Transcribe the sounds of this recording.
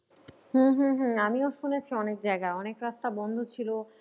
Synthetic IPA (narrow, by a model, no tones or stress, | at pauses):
ɦ̩ɦ̩ɦ̩amioʃunet͡ɕʰiɔnek̚d͡ʑaeɡaɔnekɾast̪abɔnd̪ʱut͡ɕʰilo